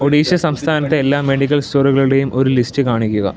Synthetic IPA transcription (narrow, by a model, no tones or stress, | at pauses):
oɽiːɕɐsɐmst̪ʰaːnɐt̪ːeːlːaːmːe̞ɽikʲːɐlstoːruɣɐɭuɽe̞jumo̞ɾulistɨkaːɳikʲːuɣɐ̰